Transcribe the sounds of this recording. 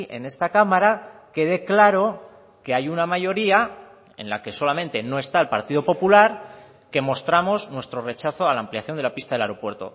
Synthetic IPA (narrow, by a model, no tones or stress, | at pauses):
e̞̰ne̞st̪akamaɾake̞ð̞e̞klaɾo̞ | ke̞ajunamaʝo̞ɾia | e̞̰nla̰ke̞so̞lamẽnt̪eno̞e̞st̪ae̞lpaɾt̪iðo̞po̞pulaɾ | ke̞mo̞st̪ɾamo̞znwe̞st̪ɾo̞re̞t͡ʃaθo̞alaːmpliaθjo̞nd̪elapist̪aðelaɾo̞pwe̞ɾt̪o̞̰